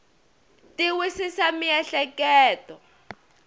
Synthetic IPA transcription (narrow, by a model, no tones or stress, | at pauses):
tiwisisamiɛɬɛkɛːtɔ